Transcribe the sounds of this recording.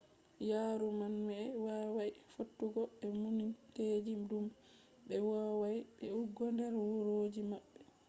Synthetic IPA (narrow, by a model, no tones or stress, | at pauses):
jaːɾumanmɛɛwawajfotːuɡɔɛmuninted͡ʒidum | ɓɛwawajɓɛuɡːɔndɛɾwuɾoːd͡ʒimaɓːɛ